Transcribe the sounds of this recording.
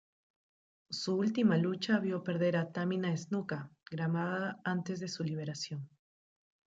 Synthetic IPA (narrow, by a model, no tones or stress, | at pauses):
suult̪imalut͡ʃaβjo̞pe̞ɾðe̞ɾat̪amĩnaeznukaɡɾamaðaant̪e̞zðe̞suliβ̞e̞ɾasjo̞n